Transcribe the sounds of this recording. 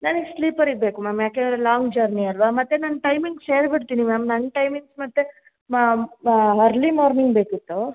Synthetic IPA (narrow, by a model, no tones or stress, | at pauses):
naːniɡsliːpɐɾiɡ̚beːkumaːmjaːkedɾelaːŋɡd͡ʒɐɾniɐɾʋaːmɐt̪ːenɐnːʈɐjmiŋɡseːɾbiʈt̪iːnimaːmnɐnːʈɐjmiŋɡsmɐt̪ːe | ɐɾlimaːɾniŋɡ̚be̞ːkit̪ːu